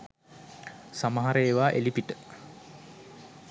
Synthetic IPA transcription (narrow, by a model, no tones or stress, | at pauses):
samɐɦaɾəeʋaːʔelipiʈə